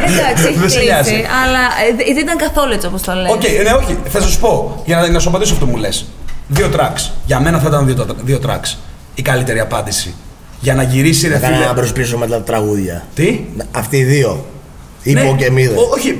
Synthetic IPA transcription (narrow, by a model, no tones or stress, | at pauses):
ɐksðeseɐziɐlɐit̪init̪ɐŋɡɐθo̞luet͡siopost̪ɐloceineo̞çiθeɐsɐsu̥po̞ʝɐnɐnɐsobɐt̪isoɐft̪omule̞sðiot̪ɾɐksʝɐme̞nɐθɐit̪ɐnðiot̪ðio̞t̪ɾɐ̰ks | ikɐlit̪e̞ɾiɐpɐnd̪isi | ʝɐnɐʝiɾisiɾefiɐɐbɾospis̬omet̪ɐt̪t̪ɾɐɣuðʝɐ̰t̪iɐft̪iːðio̞ | iepoɟemiðoçi